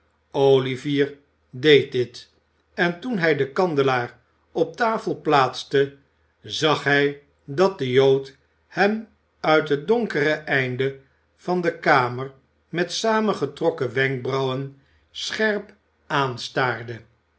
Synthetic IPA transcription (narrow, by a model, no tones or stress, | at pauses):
oliviːɹ | dejt̚dɪt | ɛntunɦɛjdəkɑndəlaːɹ | ɔp̚taːfəlˠplaːtstə | zɑχɦɛj | dɑt̚dəjowt | hɛm | œɥtɦət̚dɔŋkərəʔɛjndə | v̥ɑndəkaːməɹ | mɛtsaːməχətrɔkəʋɛŋk̚brɑwən | sχɛɹp | aːnstaːɹdə